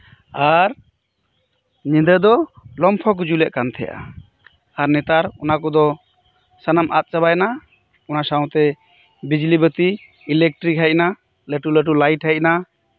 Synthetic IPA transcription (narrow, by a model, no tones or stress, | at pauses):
aɾ | ɲĩd̪əd̪ɔlɔmpʰɔk̬ud͡ʒulɛʔ̚kant̪ʰɛ̰jʔa̰ | aɾnɛt̪aɾɔnakɔd̪ɔ | sanamʔat̪̚t͡ʃabajna | ɔnasaw̃t̪ɛ | bid͡ʒlibət̪iː | lɛk̚ʈɾikɦajc̚na | ləʈuləʈ̬ulajʈhɛc̚na